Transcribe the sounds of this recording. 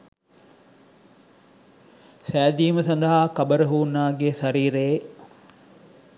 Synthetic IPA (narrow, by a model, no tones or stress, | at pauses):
sæːd̪iːməsɐnd̪əɦakɐbəɾəɦuːnːaːɡeːsɐɾiːɾeː